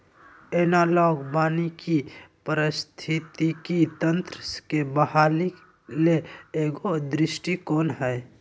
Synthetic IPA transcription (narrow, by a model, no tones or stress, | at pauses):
eːnaːlɔːɡbaːnikipəɾɪst̪ʰɪt̪it̪it̪ə̃nt̪ɾəskebəɦaːli | leeːɡod̪ɾɪsʈikoːnɦɛː